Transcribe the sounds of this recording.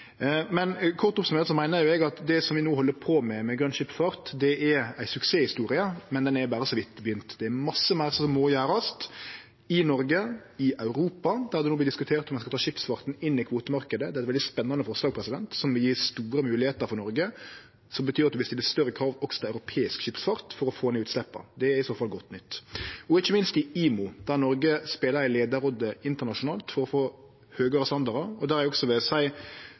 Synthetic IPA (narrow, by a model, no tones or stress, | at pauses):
mɛnkʰɔɾt̪ʊpsɔmøːt̪əsɔmæɪnəɾjʊɛɡɑt̪d̪ɛsɔmʋɪnoːɦɔlːəpʰɔmɛmɛɡɾœnʃɪpfɑɾt̪d̪ɛʔɛɾæɪsʉkseːhɪst̪uːɾɪəmɛnd̪ɛnɛɾbæːɾəsɔʋɪt̪ːɪbəjʏnt̪d̪ɛæɾmɑsːəmæɪɾsɔmːoːjæːɾəst̪ | ɪnɔɾɡə | ɪʔɑʉɾuːpɑd̪æɾd̪ɛnoːb̪lɪd̪ɪskʉt̪ʰeːɾt̪ɔmɛnskɑt̪ɑːʃɪpsfɑɾt̪nɪnːɪkʰʋoːt̪əmɑɾkəd̪əd̪ɛːæɛt̪ʋɛld̪ɪspɛnːɑnəfɔɾslɑːɡ̚pʰɾɛsɪd̪ɛnt̪sɔmʋɪljiːst̪uːɾəmʉːlɪheːt̪əɾfɔɾnɔɾɡə | sɔmbət̪ʰyːɾɑt̪d̪ʉʋɪst̪ɪlɪst̪œɾːəkʰɾɑːʋɔkst̪ɑɑʉɾʊpʰeːɪskʃɪpsfɑɾt̪fɔɾɔfoːɛnʉːt̪slɛpːɑ̰d̪ɛæɪsoːfɑlɡɔt̪ːnʏt̪ːɔɪçːəmɪnst̪ɪiːmʊd̪̥æʁnɔɾɡəspeːləɾæɪleːd̪əɾɔd̪əɪnt̪əʁnɑʂʊnɑːlt̪fɔɾɔfoː | høːɡɑɾəst̪ɑnd̪ɑɾəɔd̪æɾæɾɛɔɡsɔʋeːsæɪ